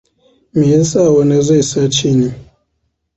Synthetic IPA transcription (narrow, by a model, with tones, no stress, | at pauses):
mi˨ɛ˦nsa˦˨wɔ˦ne˦za˦˨sa˦t͡ʃi˦˨ni˦